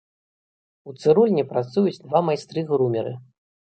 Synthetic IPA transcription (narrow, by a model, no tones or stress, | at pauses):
ut̪sɨɾulʲnʲipɾat̪sujut͡sʲd̪vamajst̪ɾɨɣɾumʲɛɾɨ̰